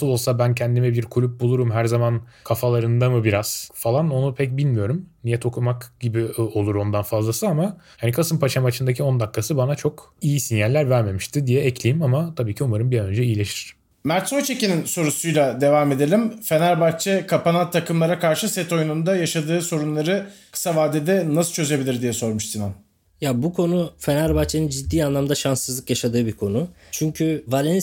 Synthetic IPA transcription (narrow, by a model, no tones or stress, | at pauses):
sɯlˠo̞lˠsabæncʰɛnd̪imɛbiɾkʰulʲup̚bulˠuɾumɦæɾzaman | kʰafalˠaɾɯnd̪amɯbiɾaz̥falˠano̞nupʰɛc̚bilʲmijo̞ɾumnijɛt̪ʰo̞kʰumakɟ̥ibio̞lˠuɾo̞nd̪anfazlˠasɯamahanikʰasɯmpʰat͡ʃʰamat͡ʃʰɯnd̪acʰio̞nd̪akːasɯbanat͡ʃʰo̞kijisinjælʲːæɾvæɾme̞miʃt̪ʰɪd̪ijɛɛclʲejimamat̪ʰabiːcʰiumaɾɯmbijaø̞nd͡ʒɛijilʲe̞ʃi̥ɾ̥ | mæɾt̪sojt͡ʃʰe̞cininso̞ɾusujlˠad̪e̞vaːme̞d̪elʲimfe̞næɾbaxt͡ʃʰɛkʰapanat̪ʰːakɯmlˠaɾakʰaɾʃɯsɛt̪ʰo̞junund̪ajaʃad̪ɯːso̞ɾunlˠaɾɯkʰɯ̥savaːd̪ed̪ɛnasɯ̥t͡ʃʰø̞ze̞bilʲiɾd̪ijɛso̞ɾmuʃsinan | jabukʰo̞nufe̞næɾbat͡ʃʰenɯnd͡ʒid̪ːiːanlˠamd̪aʃansːɯzlˠɯkjaʃad̪ɯːbiɾkʰo̞nut͡ʃʰyɲcʰyvalʲɛn